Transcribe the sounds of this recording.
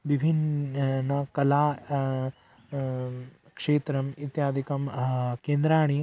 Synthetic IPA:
ʋibʱinː | ɐkɐlaː | kʂeːt̪ɾɐmit̪jaːd̪ʱikɐmkeːnd̪ɾaːɳ̃i

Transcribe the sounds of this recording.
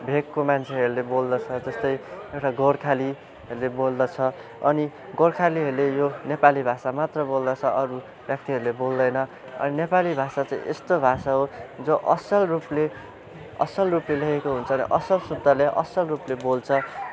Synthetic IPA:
bʱekːomant͡sʰeɦʌɾulebold̪ʌt͡sʰʌd͡zʌst̪ʌjewʈaɡorkʰali | ɦʌɾulebold̪ʌt͡sʰʌ | ʌni | ɡorkʰaliɦʌɾulejonepalibʱasamat̪rʌbold̪ʌt͡sʰʌʔʌɾu | bjak̚t̪iɦʌɾulebold̪ʌjnʌ | ʌ̰ninepalibʱasat͡sãḭ̃ʔḛst̪obʱasaɦod͡zoʔʌsʌlruple | ʌ̰sʌlruplelʌɦekoɦunt͡sʰʌːnḭʔʌsʌlsud̪ʱːaleʔʌ̰sʌlruplebolt͡sʰʌ

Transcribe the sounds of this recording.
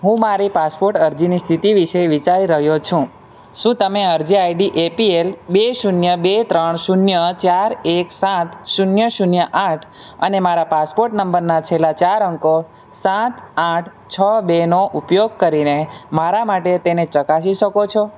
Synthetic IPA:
ɦũmaɾipaspoɾʈəɾd͡ʒinist̪ʰit̪iʋiʃeʋit͡ʃaɾiɾəɦjot͡ʃʰũ | ʃũt̪əmeəɾd͡ʒiajɖiʔepielbeʃunjəbet̪ɾəɳʃunjət͡ʃaɾeksãt̪ʃunjəʃunjəʔãʈʰ | ənemaɾapaspoɾʈnəmbəɾnat͡ʃʰelat͡ʃaɾəŋko | sãt̪ãʈʰ | t͡ʃʰəbenoʔupjoɡ̚kəɾinemaɾamaʈet̪enet͡ʃəkasiʃəkot͡ʃʰo

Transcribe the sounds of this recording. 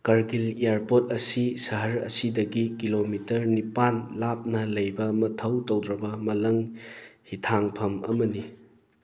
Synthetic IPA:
kɐɾɡiliaɾpot̚ɐsisɐɦɐɾɐ̰sidɐɡikilomitɐɾnipanlap̚nɐlɐjbɐmɐtʰɐwtowdɾɐbɐmɐlɐŋhitʰaŋpʰɐmɐ̰mɐni

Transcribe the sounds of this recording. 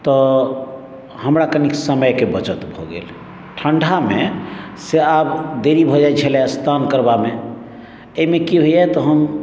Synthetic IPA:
t̪ɔ | ɦəmɾakəniksəməjkebət͡ʃət̪bʱoɡḛl | ʈʰəɳɖʱameseabd̪eɾibʱɔd͡ʒat͡ʃʰɛlɛəst̪ʰankəɾbame | eimekiɦojat̪ɔɦəm

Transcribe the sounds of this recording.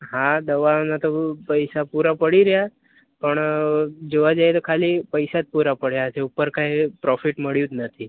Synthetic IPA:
ɦãd̪əʋanat̪opəjsapuɾapəɽiɾja | pəɳd͡ʒeʋad͡ʒajet̪okʰalipəjsat̪̚puɾapəɽ̤jaəseupːəɾkaɦipɾɔfiʈməɽjuːt̪nət̪ʰi

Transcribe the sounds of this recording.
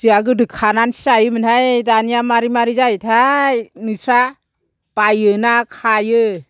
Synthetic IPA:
ziaɡɯdɯkʰːanansajɯmɯnhajdanijamaɾimaɾizajtʰajnɯsʰɾa | pajɯnakʰajɯ

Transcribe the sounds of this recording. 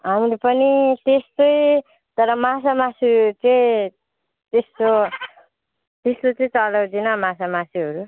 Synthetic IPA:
ɦamɾopʌnit̪est̪oj | t̪ʌɾʌmasamasit͡sʌĩ | t̪est̪o | t̪est̪ot͡sʌĩt͡sʌlʌwdinʌmasamasiɦʌɾu

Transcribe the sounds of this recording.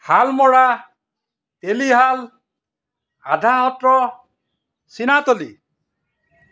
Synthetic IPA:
halmɔɽa | t̪eliɦal | ad̪ʱaɦɔt̪ɾɔ | sinat̪ɔli

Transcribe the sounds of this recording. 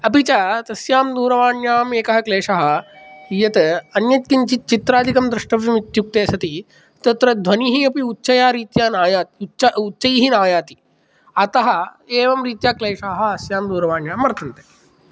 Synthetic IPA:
ɐpit͡ʃat̪ɐsjaːmd̪uːɾɐʋaːɳjaːmeːkɐɦɐkleːʂaɦɐ̆ | jɐt̪ɐnjɐt̪̚kint͡ʃit̪̚t͡ʃit̪ɾaːd̪ʱikɐmd̪ɾɨʂʈɐʋjɐmit̪juk̚t̪eːsɐt̪i | t̪ɐt̪ɾɐd̪ʱʋɐniɦiɐpiutːʃɐjaːɾiːt̪jaːnaːjaːt̪ːt͡ʃɐutːt͡ʃɐjiɦinaːjaːt̪i̥ | ɐt̪ɐɦɐ | eːʋɐmɾiːt̪jaːkleːʂaːɦɐ̆ɐsjaːmd̪uːɾɐʋaːɳjaːmʋɐɾt̪ʰɐnt̪eː

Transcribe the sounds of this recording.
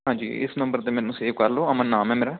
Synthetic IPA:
ɦãːd͡ʒḭːɪ̰snə̃mbəɾt̪eːmɛːnũːseːʋkəɾloːəmãːnaːmɛːmeːɾaː

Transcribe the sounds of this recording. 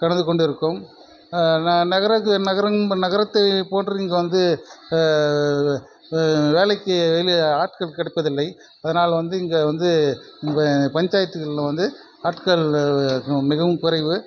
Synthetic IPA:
kɐɽɐnd̪ɯkɔɳɖɪɾɯkːɯm | nɐɣɐɾɐknɐɣɐɾɐnɐɣɐɾɐt̪ːɐpoːndrɯɪŋɡɐʋɐnd̪ɯ | ʋeːlɐɪkːɯʋɐjlɯaːʈkɐɭkɐɽɐɪpːɐðɪlːɐɪ | ɐðɐnaːlɐʋɐnd̪ɯɪŋɡɐʋɐnd̪ɯɪŋɐpɐɲd͡ʒaːjɐt̪ːɯɣɐllɐ̃ʋɐnd̪ɯ | aːʈkɐɭl | mɪɣɐʋɯmkʊɾɐɪʋɯ

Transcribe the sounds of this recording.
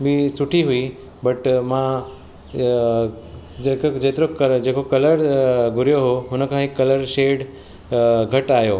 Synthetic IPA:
bisʊʈʰiɦʊi | bɐʈmã | d͡ʑeːkod͡ʑeːt̪ɪɾokɐd͡ʑeːkokɐləɾɡʱʊɾijoɦoɦʊnə̆kʰãːɦikɐləɾʃeːɖ | ɡʱɐʈaːjoː

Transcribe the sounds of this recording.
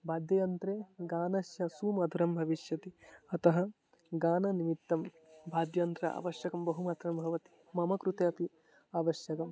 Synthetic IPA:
bʱaːd̪jɐjɐnt̪ɾeːɡaːnɐʃjɐsuːmɐd̪ʱuɾɐmbʱɐʋiʃjɐt̪iɐt̪ɐɦɐ | ɡaːnɐnimit̪ːɐm | bʱaːd̪jɐnt̪ɾɐa̰ːʋɐʃjɐkɐmbɐɦumaːt̪ɾɐmbʱɐʋɐt̪i̥ | mɐmɐkɾut̪eɐpi | aːʋɐʃjɐkɐm

